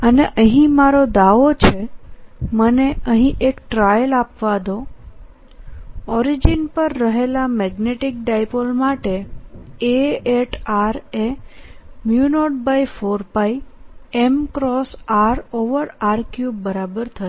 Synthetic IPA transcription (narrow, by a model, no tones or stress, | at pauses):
əneʔəɦĩmaɾod̪aʋot͡ʃʰe | məneəɦĩʔekʈɾajəlapʋad̪o | ɔɾid͡ʒinpəɾːəɦelamɛɡneʈik̚ɖajpolmaʈe | eeʈaɾe | mjunoʈ̚bajfoɾpajemkɾɔsaɾoʋəɾaɾkjubəɾabəɾt̪ʰəʃ